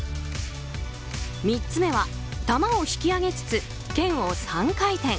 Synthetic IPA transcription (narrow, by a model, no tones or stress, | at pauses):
mʲit͡st͡sɨme̞βa | t̪amaoçi̥kʲiaɡe̞t͡sɨ̥t͡sɨ | kẽ̞ɰ̃o̞sãŋkait̪ẽ̞ŋ̃